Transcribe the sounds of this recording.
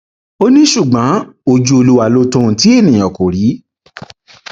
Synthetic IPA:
o˦nĩ˦ʃu˦˨ɡ͡bã˨˦o˧˨d͡ʒu˧o˧lu˧wa˨lo˧tũ˧˨ti˨˦e˦˨nĩ˨j̃ɔ̃˨ko˨ɾi˨˦

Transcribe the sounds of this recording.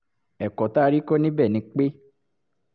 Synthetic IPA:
ɛ˨kɔ˨ta˦˧ɾi˦ko˦nĩ˦bɛ˦˨nĩ˧k͡pe˦

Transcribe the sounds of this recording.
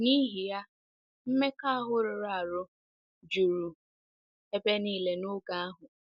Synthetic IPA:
ni˦ɦi˨ja˦ | m̩˦me˦ka˦a˦ɦʊ˦ɾʊ˨ɾa˦˨ɾʊ˦ | d͡ʒu˨ɾu˨ | e˦be˦niː˦le˦nʊ˦ɡa˦a˦ɦʊ˨

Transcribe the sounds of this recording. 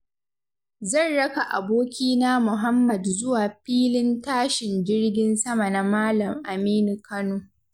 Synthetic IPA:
zɐ˦˨nɽɐ˦ka˨ʔa̰˨boː˦kʲiː˦naː˦mʊ˨ɦa˦mːɐ˨dzʊ˦waː˨ɸiː˦lɪ˦ntaː˦ʃɪ˨nd͡ʒɪ˦rɡʲɪ˦nsɐ˦ma˨na˦maː˦lɐ˨mʔa˨miː˦nu˨kɐ˦noː˨

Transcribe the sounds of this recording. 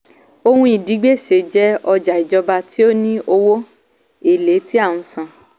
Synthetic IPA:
o˧hũ˧i˨di˨˦ɡ͡be˦˨se˨d͡ʒɛ˦ɔ˧d͡ʒa˨i˨d͡ʒɔ˧ba˧ti˦o˦nĩ˦ʔo˧wo˦ | e˦˨le˨˦ti˦a˦˨ũ˨˧˦sã˨

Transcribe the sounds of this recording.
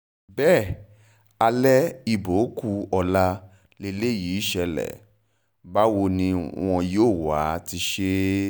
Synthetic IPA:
bɛː˦˨ | a˧lɛ˦i˧˨bo˨˦ku˧ɔ˧la˧ | le˧le˦˨jiː˨˦ʃɛ˧lɛ̰˨ | ba˦wo˧nĩ˧w̃ɔ̃˧joː˦˨wa˨˦ti˧ʃe˦

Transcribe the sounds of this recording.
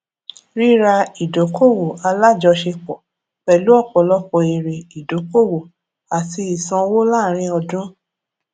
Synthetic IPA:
ɾi˦ɾa˧i˨do˨˦ko˦˨wo˨a˧la˦d͡ʒɔ˧ʃe˧k͡pɔ˨ | k͡pɛ˨lu˨˦ɔ˦˨k͡pɔ˨lɔ˦k͡pɔ˧˨e˨ɾe˨i˨do˨˦ko˦˨wo˨ | a˨ti˧˦i˨sɔ̃˧wo˦laː˦˨ɾ̃ĩ˦ɔ˧dũ˦

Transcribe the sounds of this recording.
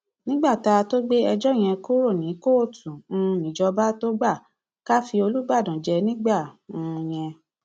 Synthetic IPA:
nĩ˦ɡ͡ba˦˨ta˧to˦ɡ͡be˦ɛ˧d͡ʒɔ˦˨j̃ɛ̃˧ko˦ɾo˦˨nĩ˨˦ko˦˨tʰũ˨˧nĩ˨d͡ʒɔ˧ba˦to˦ɡ͡ba˦˨ | ka˦fi˧o˧lu˦ɡ͡ba˦˨dã˨d͡ʒɛ˧nĩ˦ɡ͡ba˦˨ũ˨˧j̃ɛ̃˧

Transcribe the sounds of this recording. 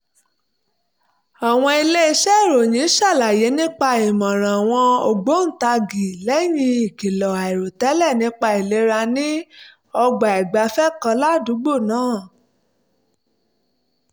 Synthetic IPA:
a˨w̃ɔ̃˧i˧le˦i˧ʃɛ˦˨ɾo˨jĩ˨˦ʃa˦˨la˨je˨˦nĩ˦k͡pa˧i˨mɔ̃˨ɾ̃ã˨a˨w̃ɔ̃˧o˨ɡ͡bo˨˦n̩˦˨ta˧ɡi˨lɛ˨˦jĩ˧i˨ki˨lɔ˨a˨i˨ɾo˨tɛ˨˦lɛ˦˨nĩ˦k͡pa˧i˨le˧˦ɾa˧nĩ˦ | ɔ˧ɡ͡ba˨i˨ɡ͡ba˨˦fɛ˦kã˧la˦˨du˨˦ɡ͡bo˦˨nãː˦˨

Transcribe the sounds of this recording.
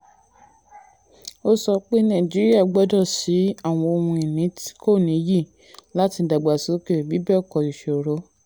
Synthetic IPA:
o˧sɔ˧k͡pe˦nã˨d͡ʒi˨˦ɾi˦a˦˨ɡ͡bɔ˨˦dɔ˦˨si˨˦a˦˨w̃ɔ̃˧o˧hũ˧i˨nĩ˨˦ti̥˦ko˦˨nĩ˨˦ji˦˨ | la˦ti˧˨da˨ɡ͡ba˨so˨˦ke˦˨bi˨˦bɛ˦ɔ˦˨kɔ˨i˨ʃe˨o˨ɾo˨˦

